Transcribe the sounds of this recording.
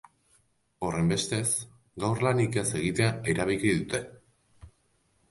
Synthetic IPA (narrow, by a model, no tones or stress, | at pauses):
o̞re̞mbe̞st̪e̞s | ɡawrlanikese̞ɣ̞it̪e̞ae̞ɾaβilkiðut̪e̞